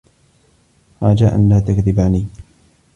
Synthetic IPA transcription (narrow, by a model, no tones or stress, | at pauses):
ħɑːd͡ʒaːʔa̰nlaːt̪akðɪbaːniː